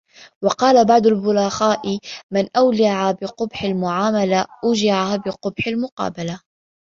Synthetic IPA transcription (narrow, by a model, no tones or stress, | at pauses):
wɑqɑːlabɑʕd̪ˤʊlbʊlaxaːʔɪmɪnʔawlɪʕabɪqʊbħalmʊʕaːmalaʔʊd͡ʒɪʕabɪqʊbħalmʊqɑ̰ːbala